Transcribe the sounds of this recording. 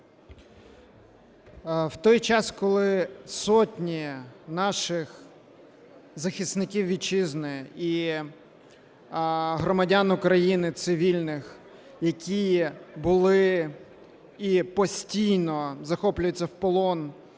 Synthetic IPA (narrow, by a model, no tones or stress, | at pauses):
wt̪ɔjt͡ʃɑskɔlˠɪsɔtʲnʲinɑʃɪx | zɐxʲist̪nɪkʲiwʋʲit͡ʃɪznɪi | ɦɾɔmɐdʲanʊkɾɐjinɪt̪sɪʋʲilʲnɪx | jɐkʲibʊlˠɪ | ipɔsʲtʲijnɔzɐxɔplʲʊjʊt͡sʲːɐwpɔlˠɔn